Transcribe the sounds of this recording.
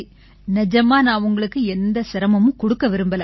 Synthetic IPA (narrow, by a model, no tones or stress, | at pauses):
nɛd͡ʒɐmaːnãːʊŋɡɐɭɯkːɯɛnd̪ɐsɪɾɐmɐmɯ̃kɔɽɯkːɐʋɪɾɯmbɐlɐ